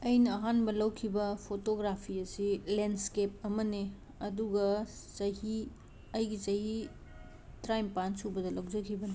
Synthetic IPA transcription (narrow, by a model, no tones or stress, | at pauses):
ɐjnɐːɦanbɐlɐwkʰibɐpʰotoɡɾapʰiɐsilenskep̚ɐmɐne | ɐduɡɐsɐhi | ɐjɡisɐhi | tɾajmpansubɐdɐlɐwd͡ʒɐkʰibɐne